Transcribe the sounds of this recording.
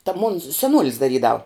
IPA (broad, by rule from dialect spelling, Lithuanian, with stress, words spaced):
tɐ moːn sʲɛˈnuɔlʲɪs dɐˈrʲiːdɐw